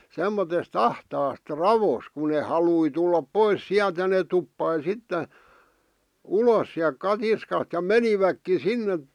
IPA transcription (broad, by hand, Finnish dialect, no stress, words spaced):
semːotest ɑhtɑːst rɑʋos ku ne hɑlui tulːɑp pois siælt jɑ net̆ tupːɑi sitːe ulos siæl kɑtiskɑst̆ jɑ meniʋækːi sinːe